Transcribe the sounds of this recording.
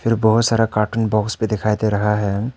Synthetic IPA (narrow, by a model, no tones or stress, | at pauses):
fʰɪɾbɔɦʊt̪saːɾakaːɾʈənbɔːkspẽd̪ɪkʰaːjt̪eɾɐɦaɦɛː